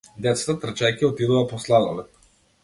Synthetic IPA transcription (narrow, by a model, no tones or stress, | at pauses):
d̪ɛt̪sḁt̪at̪r̩t͡ʃajkʲiɔt̪id̪ɔvapɔslˠad̪alɛ